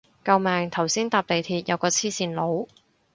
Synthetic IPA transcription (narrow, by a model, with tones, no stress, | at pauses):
kɐ˧wmɛː˨˧ŋt̪ʰɐ˨˩wsiː˥nt̪aː˧p̚le˨˩jt̪ʰiː˧t̚jɐ˨˧wkɔː˧t͡sʰiː˥siː˨˧nlo˨˧w